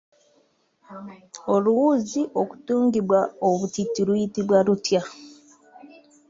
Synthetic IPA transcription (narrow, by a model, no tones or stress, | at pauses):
o̞luwuːziʔo̞ku̥tuːŋɡiβwaoβutitːilwujitiβwalutja